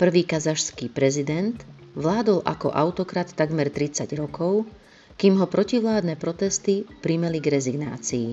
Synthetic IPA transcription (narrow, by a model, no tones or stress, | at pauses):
pr̩ʋiːkazaʃskiːpɾɛzid̪ɛnt̪ʋlaːd̪ɔlʔa̰kɔ̰ʔaʊt̪ɔkɾat̪ːaɡmɛɾt̪ɾit͡saɟɾɔkɔʊ | kiːmɦɔpɾɔciʋlaːd̪nɛːpɾɔt̪ɛst̪ipɾimɛliɡɾɛziɡna̰ːt͡sḭː